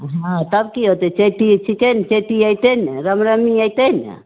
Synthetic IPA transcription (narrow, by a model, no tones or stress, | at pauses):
ɦat̪abkiot̪et͡ʃetit͡ʃikent͡ʃetiajtenɾamɾamiajtena̰